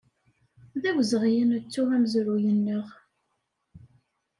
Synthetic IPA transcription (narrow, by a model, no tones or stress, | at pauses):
ðæwzəʁjənət͡sːuæmzɾujənːəʁ